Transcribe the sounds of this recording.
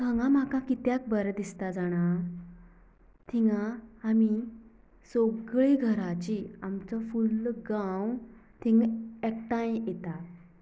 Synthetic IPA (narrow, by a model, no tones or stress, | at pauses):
k̪ʰə̃ŋɡãm̤akãkit̪jak̚bəɾd̪ist̪ad͡zaɽ̃a | t̪ʰiŋɡãami | soɡɭeɡʱəɾat͡ɕiamt͡sɔfulɡãwt̪ʰĩŋɡɛk̚ʈajmjet̪a